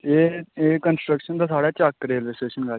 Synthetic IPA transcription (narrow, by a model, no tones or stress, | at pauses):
eːeːkənsʈɾəkʃənd̪aːsaːɽaːt͡ʃakɾeːlʋeːsʈeːʃənɡa